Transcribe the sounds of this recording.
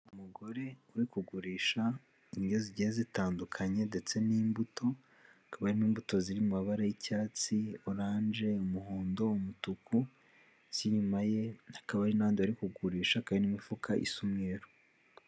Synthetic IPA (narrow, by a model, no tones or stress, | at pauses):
umuɡo̞ɾe̞uɾikuɡuɾiːʃa | iɲɡoziɟiezitaːndukʰaɲe̞nde̞t͡se̞niːmbutʰo̞ | akaβaɾiniːmbuto̞ziɾimumaβaɾajicaːt͡sioɾaːnd͡ʒe̞umuɦoːndo̞umutuku | ziɲumaje̞hakaβaɾinaβaːndiaɾikuɡuɾiːʃakajinimifukʰaʔḭsumeɾo̥